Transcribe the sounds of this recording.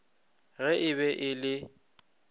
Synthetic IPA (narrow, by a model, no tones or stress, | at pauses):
ɣɛʔɪβɛʔɪlɪ